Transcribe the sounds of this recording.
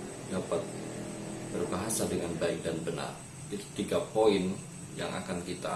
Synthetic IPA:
dapat̪̚ | b̥ərbaɦasadəŋanbaɪk̚danbəna̰r | i̥t̪iɡapoɪn | ja̰ŋʔa̰kankit̪a

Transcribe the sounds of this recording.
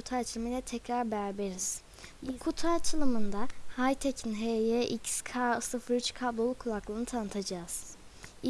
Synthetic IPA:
ut̪ʰalt͡ʃʰɯlˠmijlʲɛt̪ʰɛcɾaɾbæɾbeɾiz̥ | bukʰut̪ʰat͡ʃʰɯlˠɯmɯnd̪ahajt̪ʰecʰinɦejeʔicskʰaɯsɯfɯɾyt͡ʃkʰaːbolˠukʰulˠaklˠɯːnɯt̪ʰanɯt̪ʰad͡ʒaːz̥ | i

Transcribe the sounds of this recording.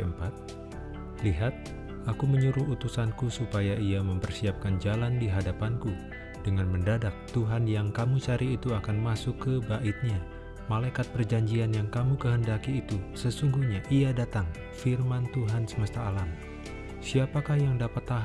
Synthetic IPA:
mpat̪̚ | liɦat̪̚ | akuməɲuɾʊɦut̪usankusupajaiaməmpərsiap̚kand͡ʒalandiɦadapanku | dəŋanməndadak̚t̪uɦanjaŋkamut͡ʃaɾiːt̪uakanmasʊkːəbaʔit̪̚ɲa | malajkat̪̚pərd͡ʒaɲd͡ʒianjaŋkamukəɦəndakiːt̪usəsuŋɡuhɲaʔiadat̪aŋ | firmant̪uɦansəməst̪aːlam | siapakahjaŋdapat̪ːaɦ

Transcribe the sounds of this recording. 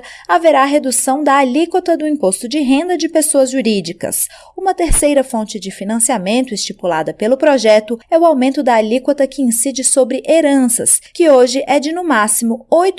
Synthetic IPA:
aveɾaːɦed̪usɐ̃w̃d̪ɐːlikwot̪ɐd̪ʊĩpost̪ʊd͡ʒɪɦẽnd̪ɐd͡ʒɪpesoɐzʒuɾid͡ʒikɐ̰s | ũmɐt̪eɾsejɾɐfõnt͡ʃɪd͡ʒɪfinɐ̃siamẽnt̪ʊɪst͡ʃipulad̪ɐpelʊpɾoʒɛt̪ʊɛʊawmẽnt̪ʊd̪ɐalikwɐt̪ɐkɪĩsid͡ʒɪsobɾɪʔeɾɐ̃sɐ̰skɪoʒɪʔɛd͡ʒɪnʊmasimʊojt̪

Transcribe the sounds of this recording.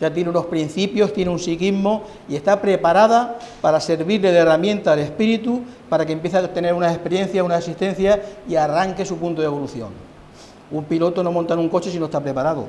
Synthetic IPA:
d͡ʒat̪jeneuno̞hpɾin̟θipjo̞ht̪je̞neunsikiɦmo̞ | ie̞st̪apɾe̞paɾaðapaɾase̞ɾβiɾleðeramjẽ̞nt̪aːle̞spiɾit̪upaɾakempje̞θat̪e̞ne̞ɾunase̞hpe̞ɾjẽ̞n̟θjaunasasiht̪e̞n̟θjaiaraŋke̞supunt̪oðe̞βo̞luθjo̞̰ŋ | umpilo̞t̪o̞no̞mont̪anuŋko̞t͡ʃe̞sinoest̪apɾe̞paɾaðo̰

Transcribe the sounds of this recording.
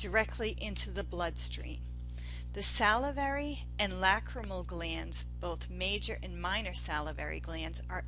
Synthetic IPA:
d̥ə˞ɛk̚tʰˡliʔɪ̃ntʰʉðəblʌd̥stɹ̥ḭ̃m | ðɨsælˠəvɛɹi | ɨ̃nlækʰɹəml̩ˠɡlæ̃ndz̥b̥oʊθmeɪd͡ʒə˞ʔɨ̃nmãɪ̃nə˞sælˠəvɛ̰ɹḭɡlæ̃ndzə˞

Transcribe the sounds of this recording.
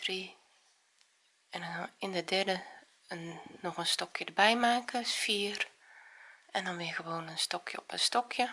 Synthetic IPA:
d̥ri | ɛndɔnanɪndədɛrdə | nɔxənstɔkʰjədəbɛjmaːkəfiər | ɛndɔnʋɪjəxəʋoːnənstɔkʰjəɔpənstɔkʰjə

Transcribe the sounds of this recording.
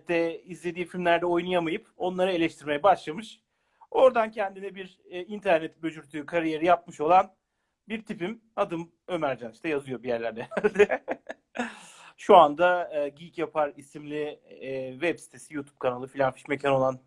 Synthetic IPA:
d̪ɛizlʲe̞d̪iːfilʲmlʲæɾd̪ɛo̞jnujamajɯpo̞nlˠaɾɯe̞lʲɛʃt̪ʰiɾme̞jɛbaʃlˠamɯʃ | o̞ɾd̪ancʰɛnd̪inɛbiɾ | int̪ʰæɾnɛt̪bø̞d͡ʒyɾt̪ʰyːkʰaɾije̞ɾijap̚mɯʃo̞lˠan | biɾt̪ʰipim | ad̪ɯm | ø̞mæɾd͡ʒaniʃt̪ɛjazɯjo̞bijæɾlʲæɾd̪ɛd̪ɛ | ʃuand̪aːɟicjapʰaɾisimlʲi | vɛbsi̥t̪ʰe̞sijuːt̪ʰub̚kʰanalˠɯfilʲanfi̥ʃmecʰano̞lˠan

